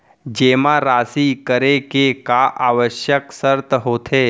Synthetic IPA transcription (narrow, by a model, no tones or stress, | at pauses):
d͡ʒeːmaɾaːsikəɾekekaʔaːʋəʃjəksəɾt̪ɦoːt̪ʰeː